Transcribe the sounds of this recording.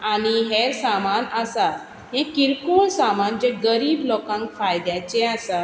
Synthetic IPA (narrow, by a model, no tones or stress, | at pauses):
añiɦeɾsamanəsa | ɦẽkiɾkuɭsamand͡ʑeɡəɾiːblɔkãŋkfajd̪jat͡ɕẽasa